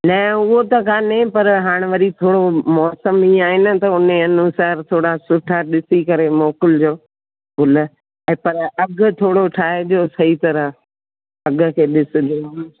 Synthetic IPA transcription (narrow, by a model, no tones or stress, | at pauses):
nɐ̃ʊɦot̪ɐkʰaːnẽpɐɾɦaːɽ̃ʋɐɾit̪ʰoːɽomɔːsəmĩːaːɦɪnɪ̆t̪ɐʊneɐnusaːɾt̪ʰoːɽasʊʈʰaːɗɪsikɐɾemoːkɪld͡ʑoː | ɡʊl̆ | ɛ̃ːpɐɾɐɡʊ̆t̪ʰoːɽoʈʰaːɦed͡ʑoːsɐit̪ɐɾəɦ | ɐɡʊ̆kʰeːɗɪsʊ̆d͡ʑoː